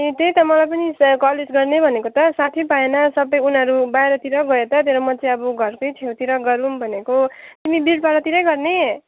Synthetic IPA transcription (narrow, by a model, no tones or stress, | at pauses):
et̪ejt̪ʌmʌlajp̬ʌniskʌled͡zɡʌrnebʱʌnekot̪ʌsat̪ʰibaenʌsʌbʌjunɦʌɾubajɾʌt̪iɾʌɡʌjet̪ʌt̪eɾʌmʌt͡sʰʌbʌɡʱʌrkojtʰewt̪iɾʌɡʌɾumbʱʌnekot̪imibilʈ̚baɾʌt̪iɾʌjɡʌrne